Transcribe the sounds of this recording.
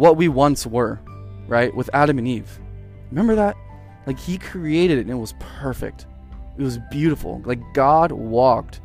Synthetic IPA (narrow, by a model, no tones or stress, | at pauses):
wʌt̚wiwʌ̃nswə˞ | ɹaɪʔ̚wɨðæɾɨ̃mɨ̃niv̥ | ɹɨmɛ̃mbə˞ðæt̚ | laɪkhikʰɹ̥ieɪɾɨɾɨɾɨ̃nɨt̚wʌz̥pʰɜ˞fɪ̰k̚t | ɨt̚wʌzbjʉɾəfl̩ˠlaɪk̚ɡ̥ɑd̚wɔk̚t